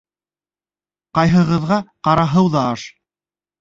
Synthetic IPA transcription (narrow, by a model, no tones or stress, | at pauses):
qɑjɦɤ̆ʁɤ̆ðʁɑqɑɾɑɦɤwðɑɑʃ